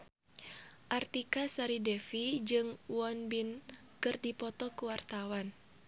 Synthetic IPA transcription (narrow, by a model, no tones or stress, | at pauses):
ʔart̪ikasaɾidɛfid͡ʒɨŋwɔnbin | kɨrdipɔt̪ɔkuwart̪awan